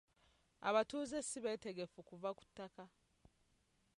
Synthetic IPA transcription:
a̰βatuːzesiβe̞ːte̞ɡe̞fukuvaku̥tːaka

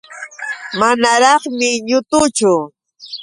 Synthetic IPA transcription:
manaɾɑχmɪɲʊt̪ʊt͡ʃʊ

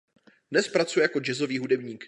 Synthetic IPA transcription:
dnɛspɾat͡sujɛjako̞d͡ʒɛzo̞viːɦudɛbɲiːk

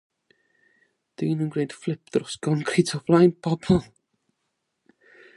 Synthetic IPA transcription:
d̥iːnunɡrejd̥flˠɪp̚ʰdrʊsɡ̥ɔnkʰritʰɔvlˠajnpʰɔbɔlˠ

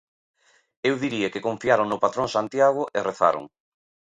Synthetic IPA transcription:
ewðiɾiekɪkõɱfiaɾoŋnopat̪ɾõŋsant̪jaɣ̞ʊʔereθa̰ɾo̰ŋ

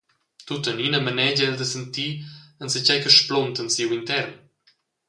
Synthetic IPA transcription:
t̪ut̪əninəmənɛd͡ʑəɛld̪əsənt̪iːənsət͡ʃɛjkəʃplɔnt̪ənsiwint̪ɛrn

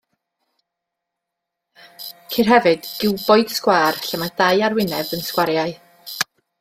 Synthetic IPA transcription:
kʰirɦɛvɨd̥ɡ̥ɪwboɨd̥skwaːrɬamad̥ajarwɪnɛvənskwaɾjaɨ

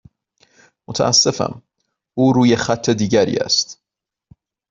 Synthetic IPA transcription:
mot̪ʰæ̰ʔæsːe̞fæ̰m | uːɾuːjexæt̪ʰːed̪iːɟæɾḭːæ̰st̪

